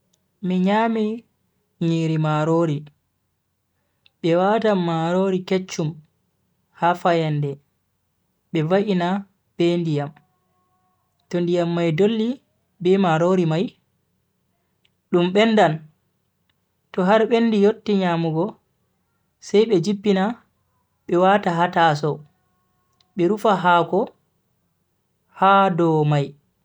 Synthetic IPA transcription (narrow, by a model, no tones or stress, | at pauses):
miɲaːmi | ɲiːɾimaɾoɾi | ɓɛwatamːaɾoːɾiket͡ʃːum | hafajandɛ | ɓɛvaʔina | b̥ɛndijam | tɔndijamːajdolːi | bɛmaɾoɾimaj | ɗumɓɛnːdan | tɔɦaɾɓenːdijotːiɲamuɡɔ | sajɓɛd͡ʒipːina | ɓɛwataɦatas̬ɔ | ɓɛɾufaɦakɔ | hadɔmaj